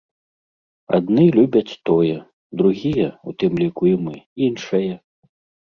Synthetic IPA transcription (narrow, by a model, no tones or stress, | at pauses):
a̰d̪̚nɨlʲubʲɐt͡sʲt̪ɔjɛ | d̪ɾuɣʲijɛṵt̪ɨmlʲikuimɨinʂɐjɛ